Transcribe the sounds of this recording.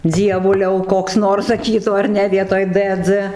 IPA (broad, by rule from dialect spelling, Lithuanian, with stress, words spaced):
ˈd͡zʲiɛʋʊlʲɛʊ ˈkoːks ˈnoːrs sɐˈkʲiːtuː ɐr ˈnʲɛ ˈʋʲiɛtoːj t t͡s